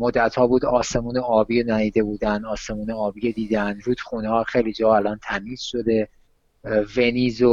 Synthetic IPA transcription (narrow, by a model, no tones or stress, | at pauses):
mod̪ːæt̪hɒːbuːd̪ɒːse̞muːneɒːbiːjonæɾiːd̪e̞buːd̪ænd̪ɒːse̞muːneɒːbiːjed̪iːd̪ænd̪ɾuːd̪̥xuːneɒːxe̞jliːd͡ʒɒːælɒːnt̪ʰæmiːz̥ʃo̞d̪e̞ | ve̞niːzo